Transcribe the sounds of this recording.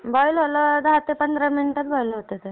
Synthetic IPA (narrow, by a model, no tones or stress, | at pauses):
bɔjlɦolad̪aɦat̪ːepənd̪ɾəminʈat̪̚bɔilɦot̪et̪e